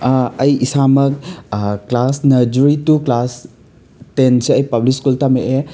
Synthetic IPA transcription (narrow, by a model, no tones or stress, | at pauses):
ɐjisamɐk̚klasnɐd͡ʒuɾituklas | tenseɐjpɐblikskultameʔe